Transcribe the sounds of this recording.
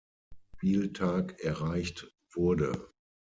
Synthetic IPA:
fiːltʰaːkɛɐʁaɪçt | v̥ʊɐdə̰

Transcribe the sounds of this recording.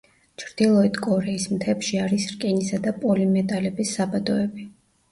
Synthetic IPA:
t͡ʃʰɾd̪̥ilˠɔit̪ʰkʼɔɾɛismt̪ʰɛpʃiaɾisɾkʼinisad̪apʼɔlimɛt̪ʼalɛbisːabad̪ɔɛbi

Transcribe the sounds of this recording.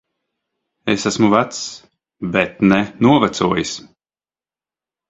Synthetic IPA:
esasmuvat̪s | bɛt̪nɛnuɔvat̪suɔjis

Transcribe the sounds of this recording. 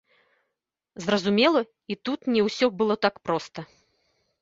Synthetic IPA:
zrɐzumʲɛlˠɐ | it̪ut̪nʲɛwsʲɔbɨlˠɔt̪akpɾɔst̪ɐ

